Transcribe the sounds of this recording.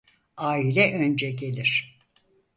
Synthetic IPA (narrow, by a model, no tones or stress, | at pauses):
aːilʲɛʔønd͡ʒɛɟe̞lʲiɾ̥